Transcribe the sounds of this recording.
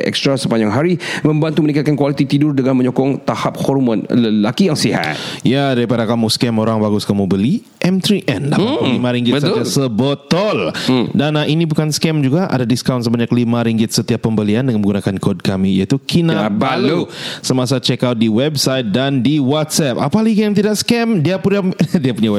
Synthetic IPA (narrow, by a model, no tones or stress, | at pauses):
ɛ̰kst̪ɾasəpaɲd͡ʒaŋɦaɾimə̃mbant̪umənĩkat̪̚kankwalit̪it̪idʊrdəŋanmə̃ɲokɔŋt̪ahap̚hɔrmɔnləlakijaŋsiɦa̰t̪̚jadaɾipadakamuskɛmoɾaŋbaɡʊskamubəli | ʔɛmt̪ɾiʔɛndapalimaɾiŋɡɪtəsət̪iasəbət̪ɔldanaʔinĩbukanskɛmd͡ʒuɡaʔa̰dadiskawnt̪səbaɲaklimãɾiŋɡɪt̪̚sət̪iapːəmbəliandəŋãnmə̃ŋɡunakankod̚kamijait̪ukʰinãbalusəmasat͡ʃɛkawt̪̚diwɛbsajt̪̚dandiwat̪̚sɛp̚a̰palaikjaŋt̪̬idakskɛmdiapunadiapːuɲaw